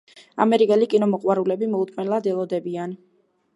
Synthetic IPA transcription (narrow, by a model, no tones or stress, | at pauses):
a̰mɛɾikʼɛlikʼinɔmɔqʼwaɾulɛbimɔut̪ʼmɛnɛlˠad̪ɛlˠɔd̪ɛbian